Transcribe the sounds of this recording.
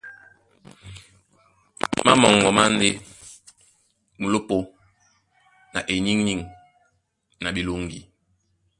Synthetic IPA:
ma̰˦mɔ̰˨ŋɡɔ˨ma˦n˦de˦ | mu˨lo˦po˦ | na˨ʔe˨ɲi˦ŋɲi˦˨ŋ | na˨bi˨lo˦ŋɡi˨

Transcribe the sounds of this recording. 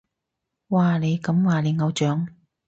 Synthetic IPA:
waː˨˩ne˨˧jkɐ˨˥mwaː˨˩le˨˧jŋɐ˨˧wt͡ʃœː˨˥ŋ

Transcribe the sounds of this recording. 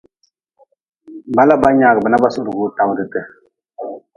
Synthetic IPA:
ba˦la˦ba˦ɲa˨ɡə˨bə˨na˦ba˦su˦du˨ɡu˦ta˨wdɨ˨tə˨

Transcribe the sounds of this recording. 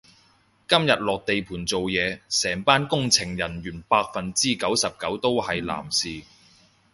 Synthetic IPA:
kɐ˥mjɐ˨t̚lɔː˨k̚t̪e˨jpʰuː˨˩nt͡so˨wjɛː˨˧sɛː˨˩ŋpaː˥nkʊ˥ŋt͡sʰɪ˨˩ŋjɐ˨˩nɥyː˨˩npaː˧k̚fɐ˨nt͡siː˥kɐ˨˥wsɐ˨p̚kɐ˨˥wt̪o˥whɐ˨jla̰ː˨˩msiː˨

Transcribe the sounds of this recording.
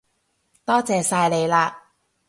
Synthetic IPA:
t̪ɔː˥t͡sɛː˨˧saː˧jle˨˧jlaː˧

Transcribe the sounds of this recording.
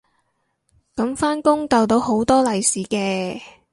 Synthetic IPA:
kɐ˨˥mfaː˥nkʊ˥ŋt̪ɐ˨wt̪̬o˨˧who˨˥wt̪ɔː˥lɐ˨jsiː˨˥kɛː˧

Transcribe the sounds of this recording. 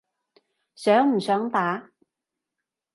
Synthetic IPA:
sœː˨˥ŋm̩˨˩sœː˨˥ŋt̪aː˨˥

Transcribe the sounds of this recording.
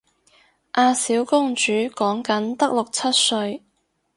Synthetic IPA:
ʔaː˧siː˨˥wkʊ˥ŋt͡ʃyː˨˥kɔː˨˥ŋkɐ˨˥nt̪ɐ˥k̚lʊ˨k̚t͡sʰɐ˥t̚sɵ˧ɥ

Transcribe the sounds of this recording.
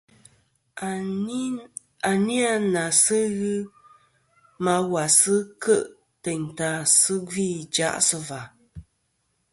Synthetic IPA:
a˨ni˦a˦na˨sɨ˦ɣɨ˦ | ma˧wa˨sɨ˦kə˦˨ʔ | tɛ˨ɲ˨ta˨sɨ˦ɡi˦˨d͡ʒa̰˦ʔsɨ˦va˨

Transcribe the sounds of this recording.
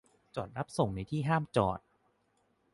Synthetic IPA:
t͡ɕɔː˨˩t̪̚ɾa˦˥p̚so˨˩˦ŋna˧jt̪ʰiː˥˩ɦaː˥˩mt͡ɕɔ̰ː˨˩t̪̚

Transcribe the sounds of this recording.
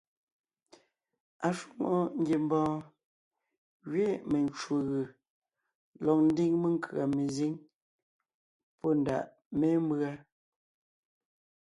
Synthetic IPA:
a˨ʃu˦˨ŋo˦ŋ̩˦ɡje˨m˦bɔ̃ː˦ | ɣɥe˦me˨nt͡ʃu˨ɣɯ˨ | lɔ˨k̚n̩˦di˦ŋme˦ŋ˦kʰɰa˨me˨zi˦ŋ | pɔ˦n˨da̰˨ʔ | me˦m˦bɰa˦

